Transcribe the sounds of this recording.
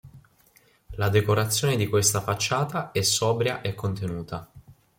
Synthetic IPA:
lad̪ekoɾat̪sːjoːned̪ikwest̪afat͡ʃːaːt̪aɛsːɔːbɾjaʔekːont̪enuːt̪a

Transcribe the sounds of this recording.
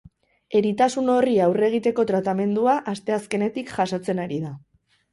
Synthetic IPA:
e̞ɾit̪asuno̞riawre̞ɣ̞it̪e̞ko̞t̪ɾat̪ame̞nd̪uaʔast̪e̞aske̞ne̞t̪ikʝaso̞t͡se̞naɾið̞a

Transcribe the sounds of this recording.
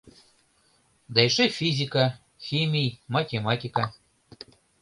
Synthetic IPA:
d̪ɑjʃefizʲika | xʲimʲijmatʲemɑt̪ʲika

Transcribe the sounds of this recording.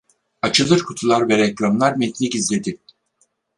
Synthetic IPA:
at͡ʃʰɯlˠɯɾkʰut̪ʰulˠaɾvɛɾɛclʲˠamlˠaɾmit̪ʰlʲicizlʲe̞d̪i

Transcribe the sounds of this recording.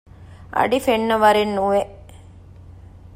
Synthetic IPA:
ʔɐ̰ɖifeɳːɐʋɐɾinːuʋeʔ

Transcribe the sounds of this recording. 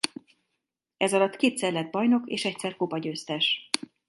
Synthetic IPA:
ɛzɒlɒt̪ːkeːt̪sɛrlɛd̪̚bɒjno̞kḛːʃɛc̚sɛrkopɒɟøːst̪ɛʃ

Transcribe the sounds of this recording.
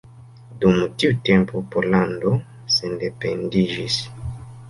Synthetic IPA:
dumutiute̞mpopoɾlando | sendependiʒis

